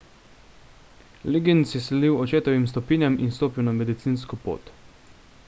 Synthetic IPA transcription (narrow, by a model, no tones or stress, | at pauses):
liɡinsjɛsɛd̪iwɔt͡ʃeːt̪ɔʋimst̪ɔpiːnʲjaminst̪oːpiwnamɛd̪it̪siːns̬kɔpo̰ːt̪